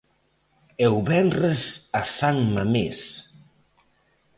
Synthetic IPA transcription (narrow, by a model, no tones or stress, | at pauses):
ewβɛnresasaŋmames